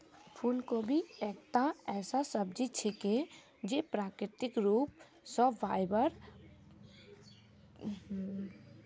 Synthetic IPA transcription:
pʰunkobʱiek̚t̪aɛːsasəb̚d͡ʒit͡ʃʰeke | d͡ʒepɾakɾɪt̪ikɾup̚ | sɔbːajbəɾ

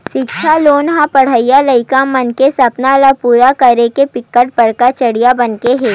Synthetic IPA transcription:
ʃɪkʃʰaloːnɦãpɐɽ̤əijalɐɪkamɐnkesɐpnalapuːɾakɐɾekepɪkːəʈ̚pɐɽkat͡ʃɐɽijabɐnkeɦɛ̃ː

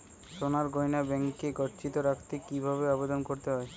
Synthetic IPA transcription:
ʃonaɾɡojnabɛŋkeɡɔʈt͡ɕit̪oɾakʰt̪ekibʱaβeabed̪onkoɾt̪eɦɔe

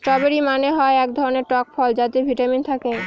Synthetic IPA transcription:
ʈɾɔbeɾimaneɦɔeɛkd̪ʱɔɾoneɾʈɔk̚fʰɔld͡ʑat̪ebʱiʈamint̪ʰake

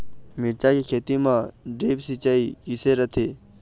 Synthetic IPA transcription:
mɪɽt͡ʃakikʰeːt̪imãɖeːbsit͡ʃaikɪseɾət̪ʰeː

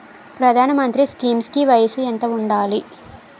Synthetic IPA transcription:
pɾɐd̪ʱaːnɐmɐnt̪ɾiskiːmskiʋɐjɐsuent̪ɐuɳɖaːli

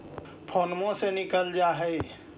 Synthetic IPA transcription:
pʰɔnmõsenɪkəld͡ʒaːɦɛɪ

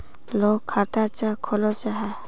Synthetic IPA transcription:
lokʰːat̪at͡ʃakʰɔlɔt͡ʃaɦɛ

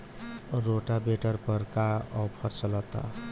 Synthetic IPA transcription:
ɾoʈabeʈəɾpəɾkaɔpʰəɾt͡ʃələt̪a̰

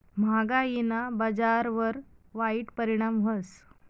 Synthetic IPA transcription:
m̤aɡainabəd͡zaɾʋəɾʋaiʈpəɾiɽ̃amʋəs

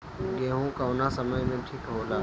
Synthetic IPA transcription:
keːɦũkaʊnasɐməjmẽʈʰɪkɦoːlaː

